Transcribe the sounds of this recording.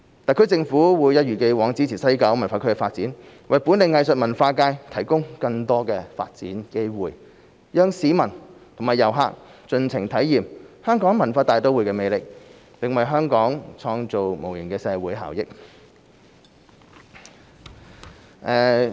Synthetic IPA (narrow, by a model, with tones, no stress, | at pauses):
t̪aː˨kʰɵ˥t͡sɪ˧ŋfuː˨˥wuː˨˧jɐ˥t̚jyː˨˩ke˧jwɔː˨˥ŋt͡si˥t͡sʰi˨˩sɐ˥jka˨˥wmɐ˨˩nfaː˧˥kʰɵ˧kɛː˧faː˧t̚t͡siː˨˥n | wɐ˨jpu˨˥nle˨jŋɐ˨jsɵ˨t̚mɐ˨˩nfaː˧kaː˧jt̪ʰɐ˨˩jkʊ˥ŋkɐ˧ŋt̪ɔː˥kɛː˧fa̰ː˧t̚t͡siː˨˥nke˥jwuː˨˩j | jœː˥ŋsiː˨˥mɐ˨˩nt̪ʰʊ˨˩ŋmaː˨˩jɐ˨˩wɦa̰ː˧k̚t͡sɵ˨˧nt͡sʰɪ˨˩ŋt̪ʰɐ˨˥jjiː˨mhœː˥ŋkɔː˨˥ŋmɐ˨˩nfaː˧t̪aː˨jt̪o˥wuː˨˩jkɛː˧me˨˧jlɪ˨k̚ | tɪ˨ŋwɐ˨jɦœː˥ŋkɔː˨˥ŋt͡sʰɔː˧ŋt͡so˨wmo˨˩wjɪ˨˩nkɛː˧sɛː˨˧wuː˨˥jɦa̰ː˨˩wjɪ̰˥k̚ | ʔɛː˨˧